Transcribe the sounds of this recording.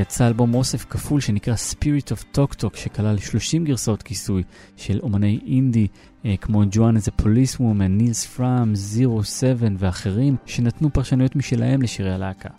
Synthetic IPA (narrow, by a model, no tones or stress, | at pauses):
jat͡saːlbo̞mo̞sefkafulʃe̞nikʁaspiʁitovtʰo̞ktʰo̞kʃe̞kalalʃlo̞ʃimɡiʁsao̞tkisuj | ʃe̞lo̞mane̞jindi | kmo̞d͡ʒuanzepʰo̞lisumenilsfʁamziʁo̞se̞ve̞nveaχe̞ʁimʃe̞natnupaʁʃanujo̞tmiʃelahe̞mleʃiʁealaːkʰa̰